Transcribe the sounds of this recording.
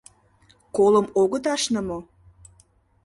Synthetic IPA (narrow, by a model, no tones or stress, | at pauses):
koləmoɣət̪ɑʃnə̆mo